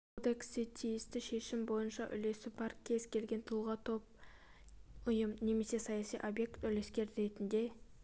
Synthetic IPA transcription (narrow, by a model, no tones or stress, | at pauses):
od̪e̞ksɪt̪ʰijɪst̪ɪʃe̞ʃɪmbo̞jənʃɑʔʏ̰le̞sɪbɑɾkʲʰe̞zkʲʰe̞lɡʲe̞nt̪ʰulˠʁɑt̪ʰo̞p̚ | ʊjəmne̞me̞se̞sɑjɑsijʔo̞bje̞kt̪ʏle̞skʲe̞ɾɾe̞t̪ɪnd̪e̞